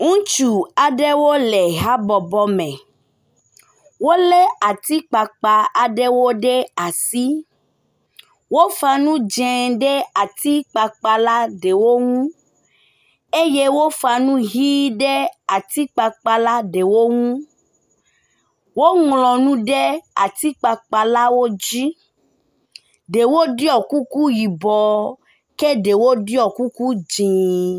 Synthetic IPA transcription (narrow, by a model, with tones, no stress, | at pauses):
ŋũ˦t͡ʃu˨a˨ɖe˦wo˦le˨ɦa˦bɔ˨bɔ˦mɛ̃˨ | wo˦lɛ˦a˨t̪i˦k͡pa˨k͡pa˨a˨ɖe˦wo˦ɖe˦a˨si˦ | wo˦fa˦nũ˦d͡ʒɛ̃˨ɖe˦a˨t̪i˦k͡pa˨k͡pa˦la˦ɖe˨wo˦ŋũ˦ | e˦je˦wo˦fa˧nũ˦ɦiː˦dɛ˦a˨ti˨˦k͡pa˧k͡pa˧la˦de˨wo˦ŋũ˦ | wo˦ŋũ˨lɔ˨nũ˦dɛ˦a˨ti˦k͡pa˧k͡pa˧la˦wo˦d͡ʒi˦ | de˨wo˦di˦ɔ˦˨ku˦ku˦ji˨bɔ˨ | ke˦de˨wo˦di˦ɔ˦˨ku˦ku˦d͡ʒĩ˨